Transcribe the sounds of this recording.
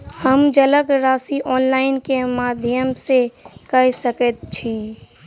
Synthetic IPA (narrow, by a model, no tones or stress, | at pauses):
həmd͡ʒələkɾaːsiʔɔːnlaːɪnkemaːd̪ʱjəmsekəsəkət̪̚t͡ʃʰi